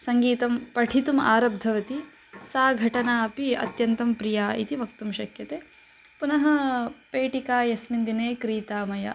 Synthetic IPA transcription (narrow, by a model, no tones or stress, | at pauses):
sɐŋɡiːt̪ɐmpɐʈʰit̪uma̰ːɾɐb̚d̪ʱɐʋɐt̪i | saːɡʱɐʈɐnaːɐpiɐ̰t̪jɐnt̪ɐmpɾijaːḭt̪iʋɐk̚t̪umʃɐkʰjɐt̪eː | punɐɦɐ̆peːʈikaːjɐsmind̪ineːkɾiːt̪aːmɐjɐ̰